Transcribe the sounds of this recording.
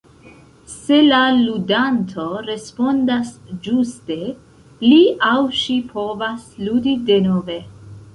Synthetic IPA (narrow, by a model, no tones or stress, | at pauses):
se̞laludantʰo̞ɾe̞spo̞ndasd͡ʒuste̞ | liawʃipʰo̞vasludideno̞ve̞